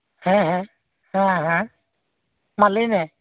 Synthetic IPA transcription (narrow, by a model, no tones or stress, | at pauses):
hɛ̃ɦɛ̃ | hãɦã | malinɛ